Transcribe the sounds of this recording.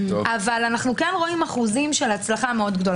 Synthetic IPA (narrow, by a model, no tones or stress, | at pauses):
ʔavalanaχnukenʁo̞imaχuzimʃelat͡slaχame̞o̞d̪ɡdo̞l